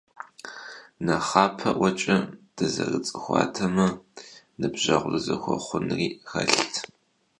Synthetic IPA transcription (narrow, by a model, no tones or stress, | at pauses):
nɐχɑːpʰɐʔʷɔt͡ʃʼɐd̥ɐzɐrɨt͡sʼɨxʷɑ̰ːtʰɐmɐ | nɨbʑɐʁʷrɨzɐxʷɔχʷʊnriːxɐɬtʰ